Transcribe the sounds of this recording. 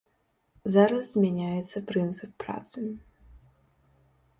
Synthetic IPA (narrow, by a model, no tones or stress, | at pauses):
zaɾɐszmʲɛnʲajɛt̪sːɐpɾɨnt̪sɨpːra̰t̪sɨ